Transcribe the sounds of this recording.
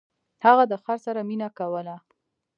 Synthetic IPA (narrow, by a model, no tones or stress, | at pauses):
haɣad̪əxaɾsaɾaminakawəla